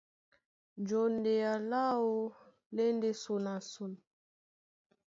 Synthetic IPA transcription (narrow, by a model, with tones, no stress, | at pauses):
nd͡ʒɔ˨nde˨ja˨la˦o˦ | le˦nde˦so˨na˨su˨n